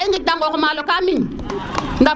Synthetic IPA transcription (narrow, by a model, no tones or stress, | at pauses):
iŋɡidaŋɡɔkɔmalokamin | ŋɡa